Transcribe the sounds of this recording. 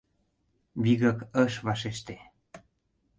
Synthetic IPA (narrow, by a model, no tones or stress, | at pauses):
βiɣəkəʃβɑʃeʃt̪e